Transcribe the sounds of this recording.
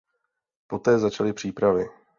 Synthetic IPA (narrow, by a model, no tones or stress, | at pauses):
po̞t̪ɛːzat͡ʃalɪpr̝̥iːpɾavɪ